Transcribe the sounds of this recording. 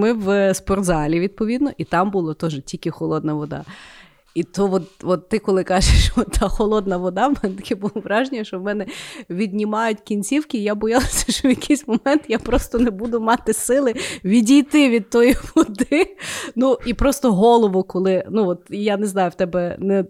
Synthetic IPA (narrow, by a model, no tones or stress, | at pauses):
mɪʋspɔrd̪zɑlʲiʋʲid̪̚pɔʋʲid̪nɔʔit̪ɑmbulˠɔt̪ɔʒtʲilʲkɪxɔlˠɔd̪nɐʋɔd̪ɑ̰ | it̪ɔʋɔt̪ʋɔt̪ːɪkɔlˠɪkɑʒeʃɔt̪ːʰɑxɔlˠɔd̪nɐʋɔd̪ɑwmɛnɛt̪ɐ̥kʲɛbulˠɔʋɾɑʒnʲijɐʃt͡ʃɔwmɛnɛʋʲid̪̚ʲnʲimɑjʊtʲkʲinʲt͡sʲiwkʲɪːjabɔjɑlˠɪsʲɐ̥ʃɔʋjɐkʰijsʲmɔmɛnt̪japɾɔst̪ɔnebud̪ʊmɑt̪ɪsɪlˠɪʋʲidʲijt̪ɪʋʲid̪̚t̪ɔjiʋɔd̪ɪnuipɾɔst̪ɔɦɔlˠɔʋʊkɔlˠɪnuʋɔt̪janeznɑjʊwt̪ɛbɛnɛ